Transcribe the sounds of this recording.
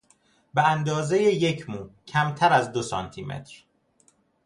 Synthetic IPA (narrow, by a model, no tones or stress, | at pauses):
beænd̪ɒːze̞jeje̞cʰmuːcʰæmt̪ʰæɾæzd̪o̞sɒːnt̪ʰimʔḛt̪ʰɾ